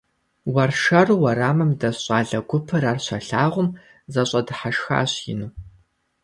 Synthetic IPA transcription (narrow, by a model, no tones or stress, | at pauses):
wɐrʃɐrwɐɾaːmɐmdɐɕʼaːɮɐɡʷʊpʰɨɾaːrɕɐɬaːʁʷʊm | zɐɕʼɐdɨħaʃxa̰ːɕjɪ̰nuː